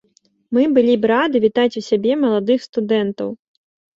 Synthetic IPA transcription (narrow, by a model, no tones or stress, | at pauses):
mɨbɨlʲibɾad̪ɨvʲit̪at͡sʲusʲabʲɛmɐlˠad̪ɨxst̪ud̪ɛnt̪ɐ̰w